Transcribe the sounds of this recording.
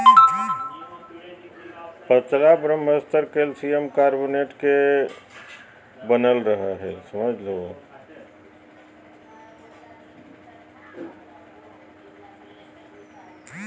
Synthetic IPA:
pət͡ʃlabɾəmɦəst̪əɾkelsiemkaɾboneʈke | bənəlɾəɦəɦelsəməd͡ʒʱlo

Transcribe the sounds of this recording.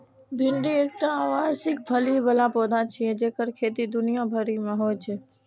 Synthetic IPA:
bʱɪɳɖieːk̚ʈãʋaːɾsɪk̚bʰʱəlibəlãpɔːd̪ãt͡ʃʰiɛ̃d͡ʒeːkəɾkʰeːt̪id̪ʊnijãbʱəɾimẽɦoːjt͡ʃʰeː

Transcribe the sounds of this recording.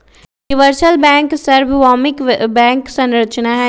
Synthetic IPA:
ɪʋəɾsəlbɛ̃ːŋksɐɾbʱʋaːmɪkbɛ̃ːŋksɐ̃nɾət͡ʃnaɦɛ

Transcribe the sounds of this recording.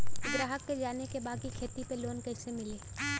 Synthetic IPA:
ʊɡɾaːɦəkːed͡ʒaːnekebaːkikʰeːt̪ipeloːnkɛːsemɪleː

